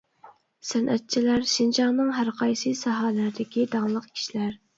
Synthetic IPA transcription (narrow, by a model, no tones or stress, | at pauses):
sænʔɛt̪̚t͡ʃʰilæɾʃind͡ʒɑŋnɨŋɦæɾqʰɑjsɨsɑɦɑlæɾd̪ɪkʲid̪ɑŋlˠəqkʲʰi̥ʃilæɾ